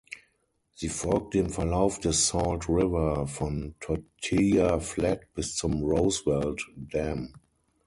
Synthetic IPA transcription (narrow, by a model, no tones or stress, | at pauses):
zifɔlk̚thɪ̃mfəlaʊfdəsɔltɹɪvə˞fɹɔ̃ntʰɔtʰijaflɛtb̥ɪssɔ̃mɹoʊswɛlddɛ̃m